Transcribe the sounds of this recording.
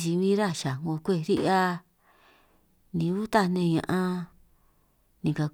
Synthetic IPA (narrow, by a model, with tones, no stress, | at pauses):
ʒi˧βĩ˦ɾa˦˨ʃa˨ŋɡo˧kʷe˦˨ɾi˦ʔa˦˧ | nĩ˧˦u˦t̪a˦˧˨nẽ˧ɲã̰˧ʔã˧ | nĩ˨ka˧